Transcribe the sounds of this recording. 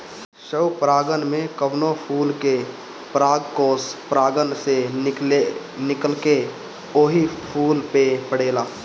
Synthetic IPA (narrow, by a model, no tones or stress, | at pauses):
ʃəwpɾaːɡənmẽkəbnopʰuːlke | pɾaːɡkoːspɾaːɡənsee | nɪkəlke | oːɦipʰuːlpepəɽeːlaː